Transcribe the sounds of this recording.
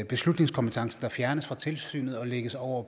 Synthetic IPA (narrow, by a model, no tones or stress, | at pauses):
b̥e̝slud̥ne̝ŋskʰɒ̽mpət͡sʰɑ̈ŋsn̩d̥ɑ̈fjæɐnəsfʁɑ̈t͡sʰe̝lsy̰ːnð̞̩ˠɒ̽leɡ̥əsɒʊ̰ɐ